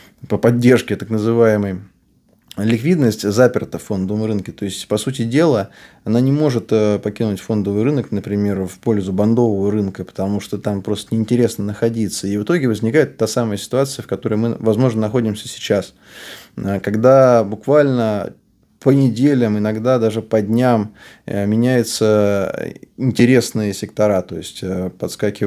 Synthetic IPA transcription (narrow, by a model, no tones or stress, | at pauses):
pəpɐdʲːe̞rʂkʲɪt̪aknəzɨvajɪməj | lʲɪkvʲid̪nəsʲtʲzapʲɪrt̪əfo̞nd̪əvəmɾɨnkʲɪt̪o̞ɪsʲtʲpɐsut̬ʲɪdʲe̞lˠəɐnanʲɪmo̞ʐɨt̪əpɐkʲinʊtʲfo̞nd̪əvɨjɾɨnəknəpɾʲɪmʲe̞rfpo̞lʲzʊbɐnd̪o̞vəvəɾɨnkəpə̥t̪ɐmuʂt̪ot̪ampɾo̞st̪ənʲɪɪnʲtʲɪɾʲe̞snənəxɐdʲit̪səivɨt̪o̞ɡʲɪvəzʲnʲɪkajɪt̪ːasaməjəsʲɪ̥t̪ʊat̪sɨjəfkɐt̪o̞ɾəjmɨ̰vɐzmo̞ʐnənɐxo̞dʲɪmsʲəsʲɪ̥t͡ɕas | əkɐɡd̪abʊkvalʲnə | pənʲɪdʲelʲəmɪnɐɡd̪ad̪aʐɨpɐdʲnʲammʲɪnʲæjʊt̪sə | ɪnʲtʲɪɾʲe̞snɨjəsʲɪk̚t̪ɐɾat̪o̞jɪsʲtʲəpɐt̪skakʲɪ